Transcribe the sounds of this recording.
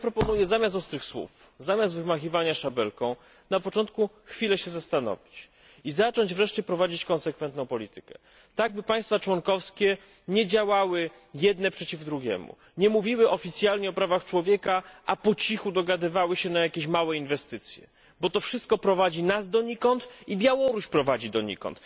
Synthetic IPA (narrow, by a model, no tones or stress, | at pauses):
pɾɔpɔnujɛzamʲjast̪ɔst̪ɾɘxswṵf | zamʲast̪vɘmaxʲivaɲaʂabɛ̰lkɔ̃w̃ | napɔt͡ʂɔnt̪̚ku | xfʲilɛɕɛzast̪anɔ̰vʲit͡ɕ | izat͡ʂɔɲd͡ʑvɾɛʂt͡ɕɛpɾɔvad͡ʑit͡ɕkɔ̃nsɛkfɛnt̪nɔ̃w̃pɔlʲit̪ɘkɛ̥̰ | t̪aɡ̚bɘpaj̃st̪fat͡ʂwɔŋkɔfskʲɛ | ɲɛd͡ʑawawɘ | jɛd̪nɛpʂɛt͡ɕivd̪ɾuɡʲɛ̰mṵ | ɲɛmuvʲiwɘʔɔfʲit̪sʲjalɲɛɔpɾavaxt͡ʂwɔvʲjɛkaʔapɔt͡ɕixud̪ɔɡad̪ɘvawɘɕɛnajakʲeɕmawɛinvɛst̪ɘt̪sʲjɛ̰ | bɔt̪ɔfʂɘst̪̚kɔpɾɔvad͡ʑinazd̪ɔɲikɔnt̪ibʲjawɔɾuɕpɾɔvad͡ʑid̪ɔɲḭkɔ̰nt̪